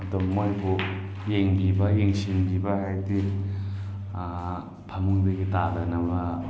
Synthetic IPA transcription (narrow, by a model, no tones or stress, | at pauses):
domːojbu | jeŋbibɐjeŋsinbibɐɦajdi | pʰamuŋbɐɡitadɐnɐmɐ